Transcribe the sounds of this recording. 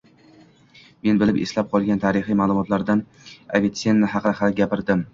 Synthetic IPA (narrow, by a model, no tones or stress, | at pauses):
me̞nbɪlɪpeslap̚qʰɒlˠɡʲant̪ʰaɾɪχijmaːlˠʊmɒt̪ʰlaɾd̪an | a̰vet̪senːɪɦɑqχaɡʲapɪɾd̪ɪm